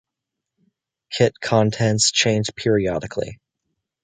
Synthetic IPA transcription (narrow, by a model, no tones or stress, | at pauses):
kʰɪt̚kʰɑ̃ntʰɛ̃nst͡ʃʰẽɪ̃nd͡ʒpʰɪɹiɑɾɨkʰlḭ